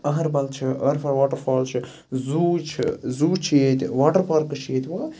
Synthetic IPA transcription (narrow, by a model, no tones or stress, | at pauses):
ɐɦɐɾbɐlt͡ʃʰiɐɾfʰɐɾʋaːʈɐɾfʰaːlt͡ʃʰɨ | zuːt͡ʃʰḭzuːt͡ʃʰeːt̪ʲʋaːʈɐɾpɐɾkɨt͡ʃʰeːt̪ʲʋaː